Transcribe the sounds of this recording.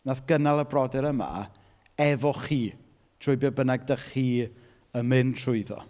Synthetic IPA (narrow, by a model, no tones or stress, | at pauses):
naθɡ̥ənalˠəbrɔdɛɾəma̰ | ɛvɔχiː | tʰrʊɨbjɔbənaɡ̚dəχiː | əmɪntʰrʊɨðɔ̰